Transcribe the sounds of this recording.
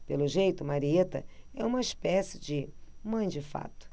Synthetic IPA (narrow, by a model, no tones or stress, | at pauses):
pelʊʒejt̪ʊmaɾiet̪ɐ̰ɛũmɐiʃpɛsɪd͡ʒɪmɐ̃j̃d͡ʒɪfa̰t̪ʊ̥